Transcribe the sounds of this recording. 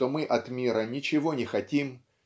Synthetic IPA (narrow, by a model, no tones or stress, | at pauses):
t̪omɨʔɐt̪mʲiɾənʲɪt͡ɕɪvo̞nʲɪxɐtʲim